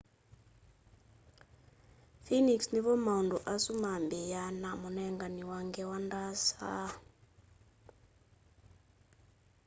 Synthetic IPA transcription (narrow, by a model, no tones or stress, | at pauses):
finiksniβɔmaunduʔasumambijanamonɛŋɡaniwaŋɡɛwandasa̰